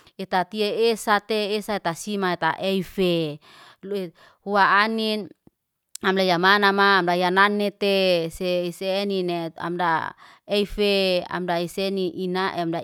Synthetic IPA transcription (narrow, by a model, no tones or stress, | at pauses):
et̪at̪ieesat̪eːsaet̪asimaet̪a̰ʔɛife | le | huaanin | amdajamanamaːmdajananːet̪eseiseninea̰mda̰ | ɛfea̰mdaiseniʔinaʔeamda